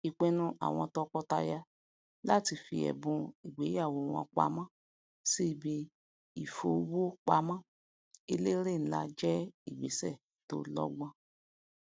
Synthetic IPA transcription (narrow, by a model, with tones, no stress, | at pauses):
i˧k͡pe˦nũ˧ʔa̰˨w̃ɔ̃˧tɔ˧kɔ˧ta˧ja˧ | la˦˨ti˧fi˧ɛ̰˨bũ˧i˨ɡ͡be˨˦ja˦˨wo˧w̃ɔ̃˧k͡pa̰˨˦mã˦˨ | si˦˨bi˧ | i˨fo˨˦wo˦k͡pa˧˦mã˦˨ | i˧le˦ɾe˦˨n̩˦la˧d͡ʒɛ˦i˨ɡ͡be˨˦sɛ˦˨ | to̰˦lɔ̰˦ɡ͡bɔ̃˦